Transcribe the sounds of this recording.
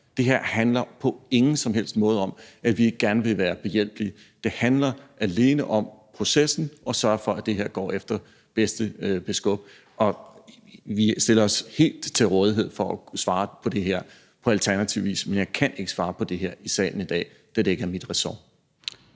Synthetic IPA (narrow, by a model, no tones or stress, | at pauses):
d̥e̝ɦeɐ̰hænlɐpʰɒ̽e̝ŋn̩sɒ̽mɦel̰sd̥mɔ̽ːð̞ˠɒ̽mæʋie̝ɡ̥əɡ̥æɐnəʋe̝ʋæːɐb̥e̝jel̰b̥li | d̥e̝hænlɐʔæle̝ːnəʔɒ̽mpʰʁo̝sesn̩ʔɒ̽sɶɐfɒ̽æd̥e̝ɦeɐ̰ɡ̥ɒ̰ːefd̥ɐ | b̥esd̥əb̥e̝sɡ̥ɔ̽b̥̚ | ɒ̽ | ʋisd̥e̝lɐɒ̽she̝̰ːld̥t͡sʰe̝lʁɔ̽ːð̞ˠiɦe̝ð̞̰ˠfɒʔæsʋɑ̈ːpʰɒ̽d̥e̝ɦeɐ̰ | pʰɒ̽ælt͡sʰæɐnæt͡sʰiʊʋḭːsmenjɑ̈ɪkʰænʔe̝ɡ̥əsʋɑ̈ːpʰɒ̽d̥e̝ɦeɐ̰isɛ̰ːln̩id̥ɛ̰ː | d̥æd̥ee̝ɡ̥ɐæɐmid̥ʁɛsɒ